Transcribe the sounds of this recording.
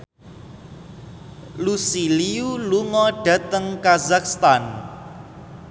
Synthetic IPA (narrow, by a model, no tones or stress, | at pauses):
lusiliuluŋɔɖ̥ä̤t̪əŋkazakst̪an